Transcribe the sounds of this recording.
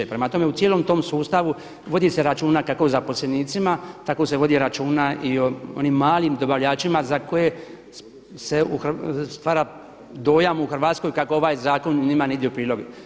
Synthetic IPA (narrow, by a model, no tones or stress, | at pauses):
epɾemat̪o̞me̞ut̪jeːlo̞mt̪o̞ːmsuːst̪aʋu | ʋo̞d̪ise̞ɾat͡ʃuːnakako̞zapo̞sle̞niːt̪simat̪ako̞se̞ʋo̞d̪iɾat͡ʃuːnaioo̰niːmːaːlˠimd̪obaʋʎaːt͡ʃimazako̞je̞ | se̞uxst̪ʋaːɾa | d̪o̞ːjamuuxr̩ʋaːt̪sko̞jkako̞o̞ʋaːjzaːko̞nɲimaneid̪iupɾiːlo̞ɡe